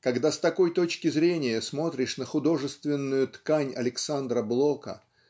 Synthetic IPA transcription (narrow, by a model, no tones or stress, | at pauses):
kɐɡd̪ast̪ɐko̞jt̪o̞t͡ɕkʲɪzɾʲenʲɪjəsmo̞t̪ɾʲɪʂnəxʊd̪o̞ʐɨst̪vʲɪnːʊjʊt̪kanʲɐ̰lʲɪksand̪ɾəblˠo̞kə̰